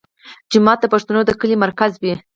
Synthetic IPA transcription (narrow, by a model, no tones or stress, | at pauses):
d͡ʒɪmɑt̪̚d̪əpaʂt̪anod̪əkəlimaɾkazwi